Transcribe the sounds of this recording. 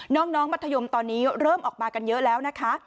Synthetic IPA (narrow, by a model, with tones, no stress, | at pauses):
nɔː˦˥ŋnɔː˦˥ŋma˦˥t̪ʰːa˧jo˧mt̪ɔː˧nːiː˦˥ɾɤː˥˩mʔɔː˨˩k̚maː˧ka˧njɤ˦˥ʔlɛː˦˥wna˦˥kʰa˦˥ʔ